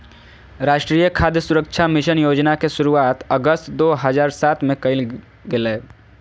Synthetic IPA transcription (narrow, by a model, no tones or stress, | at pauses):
ɾaːʃʈɾiːjəkʰaːd̪jəsʊɾəkʃʰamɪʃənjoːd͡ʒnakeʃʊɾuaːt̪əɡəst̪d̪oːɦəzaːɾsaːt̪mẽkɐɪl | ɡɪleː